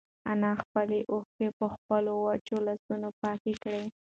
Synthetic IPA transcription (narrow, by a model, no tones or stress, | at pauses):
anɑxpəleʔoxkepəxpəlowat͡ʃolasunopɑkekɽe